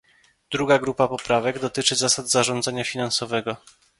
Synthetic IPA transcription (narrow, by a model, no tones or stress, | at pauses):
d̪ɾuɡaɡɾupapɔpɾavɛɡd̪ɔt̪ɘt͡ʂɘzasad̪zaʐɔnd̪zaɲafʲinansɔvɛɡɔ